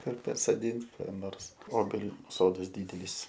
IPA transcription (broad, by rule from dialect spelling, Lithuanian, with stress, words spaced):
ˈkʊr pɐsoːˈdʲɪnt ˈkɑː ˈnoːrs ˈoːbʲɛlʲʊ ˈsoːdɐs ˈdʲiːdʲɛlʲiːs